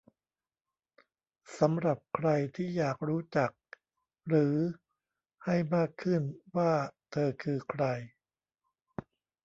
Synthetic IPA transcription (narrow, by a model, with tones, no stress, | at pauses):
sa˩˦mɾa˨˩p̚kʰɾa˧jt̪ʰiː˥˩jaː˨˩k̚ɾuː˦˥t͡ɕa˨˩k̚ | ɾɯː˩˦ | ha˥˩jmaː˥˩kʰːɯ˥˩nwaː˥˩t̪ʰɤː˧kʰɯː˧kʰɾa˧j